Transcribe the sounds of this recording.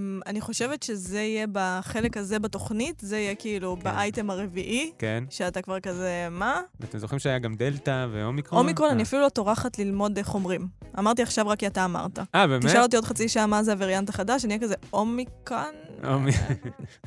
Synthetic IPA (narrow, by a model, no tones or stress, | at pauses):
maniχo̞ʃe̞vetʃe̞zeijebaχe̞lekhaze̞bato̞χnitzeijekiilubaʔajte̞maʁe̞viʔikenʃeatakvaʁkaze̞maat̪emzoχimʃeajaɡamd̪eltavḛomikʁoomikʁonaniafilulo̞to̞ʁaχatlilmo̞deχo̞mʁima̰maʁt̬iaχʃavʁakiataːma̰ʁtaʔabemiʃalot̬iod̪χat͡siʃaamazeaviʁjantaχadaʃanijekazeʔo̞mikonomi